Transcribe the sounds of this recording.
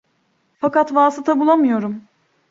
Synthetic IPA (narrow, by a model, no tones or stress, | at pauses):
fakat̪vaːsɯt̪ʰabulˠamɯjo̞ɾum